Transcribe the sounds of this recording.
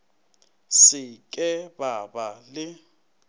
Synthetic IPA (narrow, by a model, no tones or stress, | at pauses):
sɪkʼɛbabalɪ